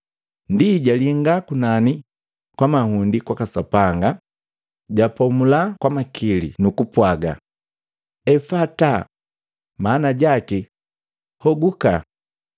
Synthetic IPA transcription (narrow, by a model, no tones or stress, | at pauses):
ndiɟaliŋɡakunani | kwamahundikwakasapaŋɡa | ɟapɔmulakwamakʰilḭnukupwaɡa̰ | ɛfata | maːnaɟaki | hɔɡuka̰